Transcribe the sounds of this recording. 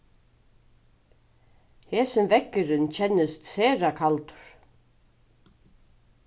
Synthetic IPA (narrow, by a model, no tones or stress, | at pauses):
hɛːsɪmvɛkːɪɾɪnt͡ɕʰɛnːɪst̪θɛːɾakʰalt̪ʏ̥ɾ̥